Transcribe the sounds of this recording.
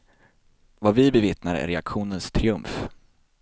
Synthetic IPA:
vaɾvɪbɛvɪt̪naɾə̰æ̰ɾɛakɧuːnənst̪ʰɾɪɵmf

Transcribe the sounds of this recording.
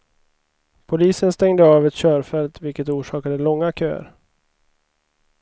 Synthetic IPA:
pʰʊliːsənst̪ɛŋd̪əɑːvɛt̪ɕœːɾfɛlt̪vɪlkət̪uːʂɑːkad̪əlɔŋːakʰø̰ːɾ

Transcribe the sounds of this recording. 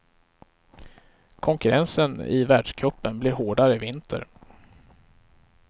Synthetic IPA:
kʰɔŋkɵɾɛnsənɪ̰væːɖʂkʰɾɵpːənblɪɾɦoːɖaɾəɪvɪnt̪ʰə̰ɾ

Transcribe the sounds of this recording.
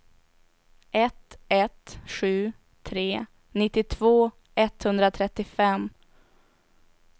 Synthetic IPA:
ʔɛt̪ɛt̪ɧʉ̟ː | t̪ʰɾeː | nɪt̪ːɪt̪ʰvoː | ɛt̪hɵnd̪ɾat̪ʰɾɛt̪ːɪfɛmː

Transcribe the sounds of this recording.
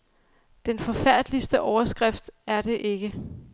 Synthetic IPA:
d̥enfɒ̽fæɐ̰d̥lisd̥əʔɒʊɐsɡ̥ʁɛfd̥æɐd̥e̝ʔe̝ɡ̥ə

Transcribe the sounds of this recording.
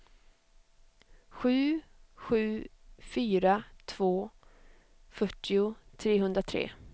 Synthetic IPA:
ɧʉ̟ːɧʉ̟ːfyːɾat̪ʰv̥oː | fœʈːɪʊt̪ʰɾeːɦɵnd̪ɾat̪ʰɾḛː

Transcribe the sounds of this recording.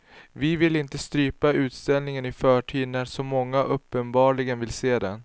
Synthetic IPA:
vɪvɪlɪnt̪əst̪ɾyːpaʉ̟ːt̪st̪ɛlnɪŋənɪfœːʈʰiːd̪næsɔmːɔŋːaʔɵpːənbɑːɭɪɡənvɪlseːd̪ɛn

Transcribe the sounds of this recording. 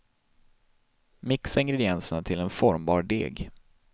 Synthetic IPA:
mɪksɪŋɡɾɛd̪ɪɛnsənat̪ʰɪlɛnfɔɾmbɑ̰ːɾɖḛːɡ

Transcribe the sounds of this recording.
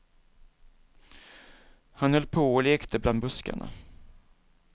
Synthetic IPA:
hanhœlːpʰoːɔleːkt̪ʰəbland̪bɵska̰ɳa̰

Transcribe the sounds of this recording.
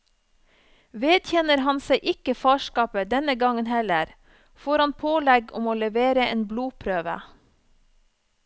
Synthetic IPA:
ʋeːd̪çɛnəɾhɑnseɪʔɪkəfɑːʃkɑːpəd̪ɛnəɡɑŋənhɛləɾ | foːɾhɑnpʰoːlɛɡɔ̰moːlɛʋeːɾəʔeːnbluːpʰɾøːʋə̰

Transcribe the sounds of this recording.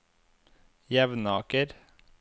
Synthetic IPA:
jɛʋnɑːkəɾ

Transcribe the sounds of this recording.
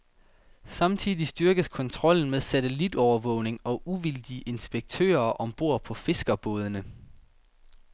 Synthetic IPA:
sɑ̈mt͡sʰiðˠisd̥yɐɡ̥əðkʰɒ̽nt͡sʰʁɒ̽l̰n̩meðˠsæt͡sʰelid̥ɒʊɐʋɔ̽ʊne̝ŋɒ̽ʔuʋild̥iəʔe̝nsb̥eɡ̥̚t͡sʰø̰ːɐʔɒ̽mb̥o̝ɐ̰pʰɒ̽fe̝sɡ̥ɐb̥ɔːð̞ˠənə

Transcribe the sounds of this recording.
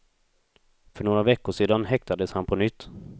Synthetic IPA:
fœɳoːɾavɛkːʊʂeːd̪anɦɛkt̪ad̪əshanpʰɔnʏt̪ː

